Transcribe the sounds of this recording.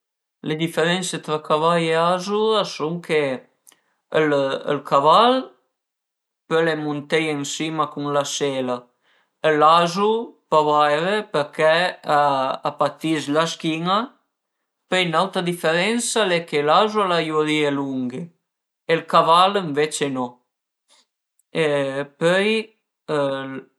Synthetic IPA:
led̪ifeɾɛnset̪ɾakavajeazuɾasuŋkʰe | ələ̰lkʰaval | pəlemunt̪ɛjəŋsimakuŋlasela | əlazupavajɾepəɾkɛaa̰pat̪islaskiŋa | pəjnawt̪ɾad̪ifeɾɛnsalɛkelazualajuɾieluŋɡe | elkavaləɱvet͡ʃenɔ | epœj | əl

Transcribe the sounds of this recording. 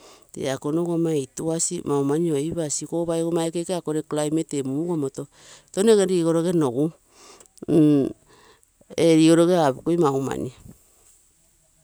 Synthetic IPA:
tḛakonoɡomajtuasimawmanioβasikoβajɡomaekekeakoɾeklajmetemuɡomoto̞ | toneɡeɾiɡoɾoɡenoɡu | eɾiɡoɾoɡeaβukojmawma̰ni

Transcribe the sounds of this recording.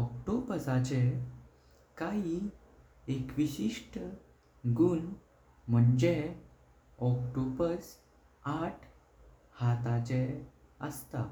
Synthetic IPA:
ɔkʈobəsat͡ɕe | kaɦi | ekʋiɕiʂʈə | ɡun | m̤əɳd͡ʑe | ɔkʈobəɾs | aʈʰ | hat̪at͡ɕe | əst̪a

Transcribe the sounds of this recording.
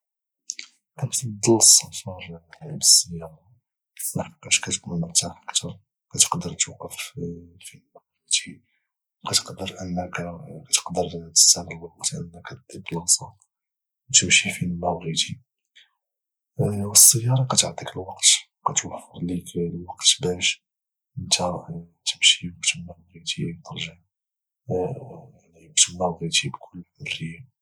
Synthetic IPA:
ʔæbsd̪əlsˤɑtɑɾˤbəsˤːəjːɑɾˤɑ | əsnɑħqːæʃkæt̪kuməmət̪ːaħʔəkt̪ʰɑɾˤ | kæt̪ə̥qd̪əɾt̪wqːəffimæwɾəd̪i | qæt̪ə̥qd̪əɾʔənːəkkæt̪ə̥qd̪əɾt̪ə̥sænəlwɑqt̪ʔə̰nːəkæt̪d̪id̪lsˤɑ | wt̪əmʃifinəæwɣit̪ʰi | wəsˤːəjːɑɾˤɑqæt̪əʕt̪ˤikəlwɑqt̪ | qæt̪wəħfəɾˤliklwɑqt̪bæʃ | ʔənt̪ʰæ | t̪əmʃiəbt̪əmæwɣit̪ʰit̪əɾˤʒəʕ | ljbt̪əmːæwɣit̪ibkʰʊlːərːəjːæ

